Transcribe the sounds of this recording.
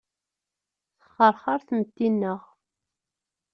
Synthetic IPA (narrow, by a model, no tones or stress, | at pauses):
θə̥χːəɾχaɾθmət̪ːinːəʁ